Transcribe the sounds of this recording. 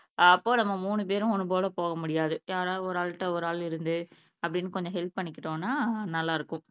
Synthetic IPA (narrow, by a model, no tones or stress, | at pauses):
ɐpːoːnɐmːɐmuːɳɯp̬eːɾʊ̃ɔnɯpoːlɐpoːɣɐmʊɽɪjaːðɯjaːɾaːɔɾaːlʈːɐɔɾaːlɪɾɯnd̪ɯ | ɐpːɐɽɪnːɯkɔɲd͡ʒɔ̃ɦɛlp̚pɐɳːɪkːɪʈõːnːaːnɐlːaːɪɾɯkːʊ̃